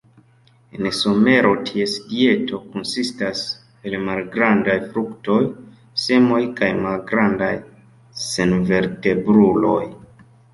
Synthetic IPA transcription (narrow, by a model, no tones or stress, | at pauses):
enso̞me̞ɾo̞tʰie̞sɡie̞tʰo̞konsistas | e̞lmalɡɾandajfɾukto̞j | se̞mo̞jkajmalɡɾandaj | senve̞ɾte̞bɾulo̞̰j